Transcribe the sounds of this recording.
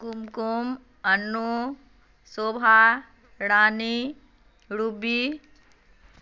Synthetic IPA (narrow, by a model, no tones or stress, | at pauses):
kumkum | ɐnːu | soːbʱa | ɽaːni | ɽubi